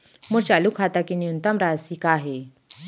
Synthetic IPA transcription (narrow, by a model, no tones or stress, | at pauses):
məɾt͡ɕalukʰat̪akiniunt̪amɾasikaːɦe